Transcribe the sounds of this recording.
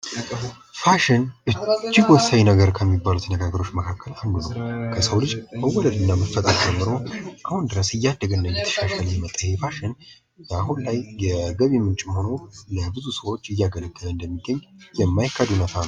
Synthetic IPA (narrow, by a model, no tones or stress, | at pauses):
faʃɪnʔɨd͡ʒːɪɡwɔsawinəɡəɾkʰəmːibːalut̪nəɡaɡəɾo̞t͡ʃːməkʰakʰːəland̪unəwkʰəsəwlɨd͡ʒbəwɔləd̪ɨnːaməfːət̪ʼaɾd͡ʒɛmːɨɾo̞ʔahund̪ɨɾəsɨjːad̪ːəɡənːəjɛt̪ʰə̥ʃaʃaljmət̪ʼːəjɛfaʃɪn | jaɦunlajjəɡəβimːɨnt͡ʃʼɪmho̞no̞nəbɨzusəwo̞t͡ʃːɨjːaɡələɡʼːələɨnd̪əmːiɡːəɲːjɛmːajkʰːad̪unət̪ʰanəw